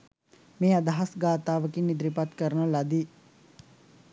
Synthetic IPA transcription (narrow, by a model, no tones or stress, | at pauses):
meːad̪aɦasɡaːt̪aːʋəkinːid̪ɾipat̪kəɾənəlad̪i